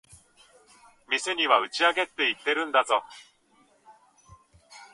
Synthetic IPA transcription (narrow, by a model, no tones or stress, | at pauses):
mʲise̞ɲ̟iβaɯ̟t͡ɕiaɡe̞t̪ːe̞it̪ːe̞ɾɯ̟̃nd̪azo̞